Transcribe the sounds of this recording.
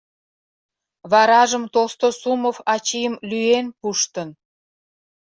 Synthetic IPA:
βɑɾɑʒəmt̪olst̪osuməfɑt͡ɕijəmlyenpuʃt̪ə̆n

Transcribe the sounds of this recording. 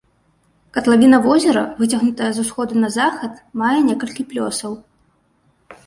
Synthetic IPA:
kɐt̪lˠavʲinɐvɔzʲɛɾɐ̰vɨt͡sʲaɣnut̪ɐjɐzusxɔd̪ɨnɐzaxɐt̪majɛnʲɛkɐlʲkʲiplʲɔ̰sɐw

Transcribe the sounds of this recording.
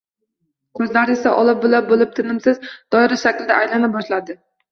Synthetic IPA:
kʰɵzlaɾɪesaʔɒlˠɪp̚bolap̚bolˠɪp̚t̪ʰɪnɪmsɪzd̪̥ɒɪɾaʃakʲlɪd̪aʔːjlanɪp̚bɒʃlad̪ɪ

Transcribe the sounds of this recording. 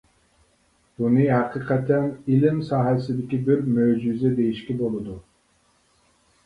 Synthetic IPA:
b̥unɨɦæqʰɨqʰɛt̪ʰɛnilɪmsɑːɦɛsɪd̪ɪkʲibɪɾmød͡ʒyzɛd̪ejiʃkʲɛbolˠɨd̪u

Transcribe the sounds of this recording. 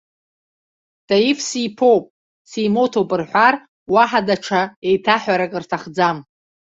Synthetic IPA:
d̥aifsipʰowpʼ | siːmotʰopʼɨrħʷar | waħadaʈ͡ʂʰaejtʰaħʷᶣaɾakʼɨrtʰaχd͡zam

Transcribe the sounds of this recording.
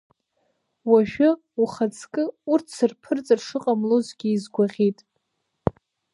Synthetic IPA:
waʃᶣa | uχat͡sʰʼkʼɨurtʰsɨrpʰɨrt͡sʼɨrʂɨqʼamlozɡʲiːzɡʷaʁʲitʼ

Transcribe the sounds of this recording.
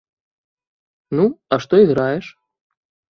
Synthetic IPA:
nuɐʂt̪ɔiɣɾajɛʂ

